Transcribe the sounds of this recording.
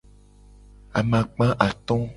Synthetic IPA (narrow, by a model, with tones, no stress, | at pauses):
a˨mã˨k͡pã˦ʔa˨t̪ɔ̃˦